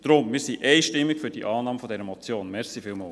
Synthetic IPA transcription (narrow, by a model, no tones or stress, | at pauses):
d̪̥ɾʊmmɪːɾsiʔɛɪʃtɪmːɪkfyɾd̥iʔɑːnɑːmfɔdɛɾəmɔt͡sjoːnmɛɾsifiːlmɑːl